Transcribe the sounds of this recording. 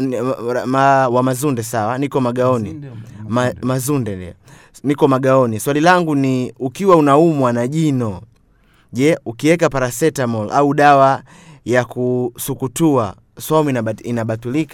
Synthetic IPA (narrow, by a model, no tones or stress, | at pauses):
mawamazundɛsawanikɔmaɡaɔnḭmamazundɛɛ̰ | nikɔmaɡaɔniswalilaŋɡuniukiwaunaumwanaʄinɔ | ʄɛukiwɛkapaɾasɛtamɔlʔauɗawa | jakusukutua | sɔmiinaɓatulika